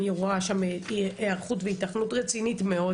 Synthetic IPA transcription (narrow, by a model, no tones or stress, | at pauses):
jeʁuaʃameaʁχutveitaχnutʁet͡sinitmeo̞